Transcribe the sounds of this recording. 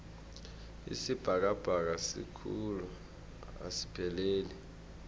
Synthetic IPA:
ḭsib̥ʱak̬ab̥ʱak̬asḭkʰulu | a̰si̥pʰɛleːli

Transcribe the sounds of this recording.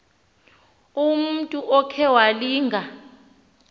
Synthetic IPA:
um̩tʼuʔɔkʰɛwaliːŋɡʱa

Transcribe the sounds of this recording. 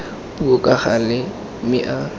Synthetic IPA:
buokʼaχalɪ | mɪʔa

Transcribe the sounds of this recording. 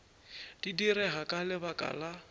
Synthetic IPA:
d̥idiɾɛɦakʼalɪbakʼa̰la

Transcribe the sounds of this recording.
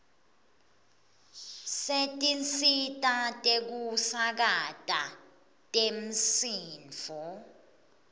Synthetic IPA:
setʼint͡sʼitʼatʼek̬usak̬atʼa | tʼem̩siːnd͡vɔ

